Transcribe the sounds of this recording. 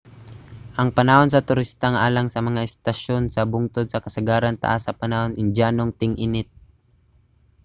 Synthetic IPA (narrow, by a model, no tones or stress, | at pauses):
ʔɐŋpɐnɐhons̬ɐt̪ʊɾɪst̪aŋʔaːlɐŋsɐmɐŋaɛst̪ɐʃonsɐbʊŋt̪od̪̚sɐkɐsɐɡaːɾɐnt̪ɐ̰ʔasːɐpɐnahonɪŋd͡ʒaːnoŋt̪ɪŋʔɪnɪt̪̚